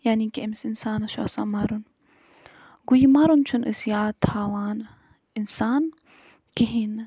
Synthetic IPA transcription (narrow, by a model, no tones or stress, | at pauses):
jaːnikiʔɐmsinsaːnɐʃua̰sa̰mɐɾun | ɡujimɐɾunt͡ʃʰunʔɨsjaːt̪ʰaːwaːn | insaːn | kiɦin